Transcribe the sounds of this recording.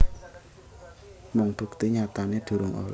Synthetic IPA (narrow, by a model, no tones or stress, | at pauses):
mʊŋb̥ṳk̚t̪iɲat̪aned̪̥ṳɾʊŋo̰l